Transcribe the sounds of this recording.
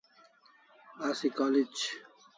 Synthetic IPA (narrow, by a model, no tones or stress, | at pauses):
asikɔːlid͡ʑ